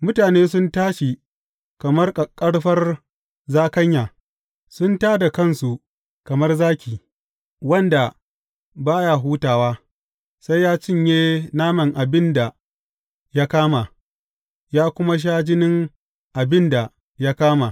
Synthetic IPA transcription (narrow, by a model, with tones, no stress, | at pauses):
mʊ˦taː˨neː˦sʊ˦ntaː˦ʃi˨ | kɐ˨mɐ˦rkʼɐ˨kʼːɐ˦ɽɸɐ˦r | zaː˦kɐ˦ɲja˨ | sʊ˦ntaː˦da˨kɐ˦˨nsu˨ | kɐ˨mɐ˦rzaː˦kʲiː˨ | wɐ˦nda˨ | baː˦ja˨ɦuː˦taː˨waː˦ | sa˦jːaː˦t͡ʃɪ˦˨ɲjeː˦naː˦mɐ˨ŋʔa˨bɪ˦nda˨ | ja˦kaː˦ma˨ | jaː˦kʷʊ˦ma˦ʃ̬aː˦d͡ʒɪ˦nɪ˦ŋ | ʔa˨bɪ˦nda˨ | ja˦kaː˦ma˨